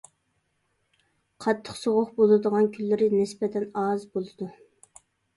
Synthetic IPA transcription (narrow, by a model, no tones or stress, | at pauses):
qʰɑt̪ʰːə̥χsoʁʊχbolˠɨd̪əʁɑnkʲʰylːɪɾɪnɪspɛt̪ʰɛnɑzbolˠɨd̪u